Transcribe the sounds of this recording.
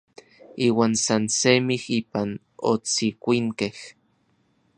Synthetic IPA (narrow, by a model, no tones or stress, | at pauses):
iːwaːnsansemihiːpan | o̰t͡sikʷiŋkeh